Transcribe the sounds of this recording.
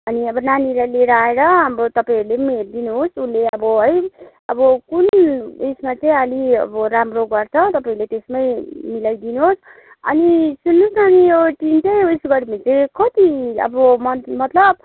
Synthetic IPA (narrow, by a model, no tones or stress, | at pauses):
ʌniʌbʌnaniɾaleɾʌaeɾʌɦamɾot̪ʌpaĩʌɾulemerd̪inuɦosunlːeʌbʌɦʌj | ʌbʌkunesmat͡saj̃ʌliʌ̰bʌɾamroɡʌrt͡sʰʌt̪ʌpãiɾulet̪esmʌjmilajd̪inuɦos | ʌ̰nisunːusnaniʌbʈimtʌjusɡʌɾimit͡saj̃kʌt̪iʌ̰bʌmʌmʌt̪lʌb̚